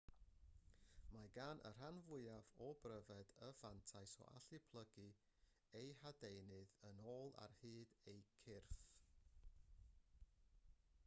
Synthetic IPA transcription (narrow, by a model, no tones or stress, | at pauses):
maɡaːnʔə̰r̥anvʊɨavɔbrəvɛdəvantʰajsɔ̰ʔa̰ɬɨpʰlˠəɡɨ | ejhadejnɨðənoːlˠa̰rhɨːdejkʰɪrθ